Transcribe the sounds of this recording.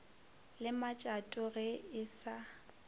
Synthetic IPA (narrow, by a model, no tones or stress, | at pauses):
lɪmat͡ʃʼatʼʊɣɛɪsa